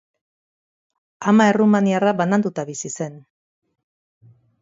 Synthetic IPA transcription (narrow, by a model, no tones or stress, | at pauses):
amae̞rumaniaraβanand̪ut̪aβisise̞n